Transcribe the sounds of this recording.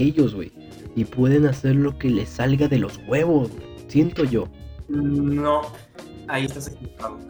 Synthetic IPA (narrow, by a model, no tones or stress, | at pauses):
eʝo̞zɣwḛj | ipwe̞ðe̞nase̞ɾlo̞ke̞le̞salɣaðe̞lo̞zɣwe̞βo̞zwejsje̞nt̪o̞ʝo̞ | nno | aiest̪as̬ekiβokaðo